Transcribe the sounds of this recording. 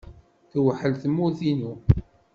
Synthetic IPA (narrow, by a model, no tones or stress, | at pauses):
θwħəlθəmːʊθinu